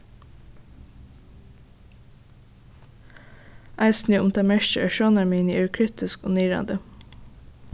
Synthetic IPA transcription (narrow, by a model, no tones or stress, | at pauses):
ʔæɪsnyːʊ̰mt̪ʰɑːmæʃtəʔœʃoːnɑmiːnḭːʔʉkʰɹɪt̪ɪsko̰ːnyːɾɑ̰nd̪ə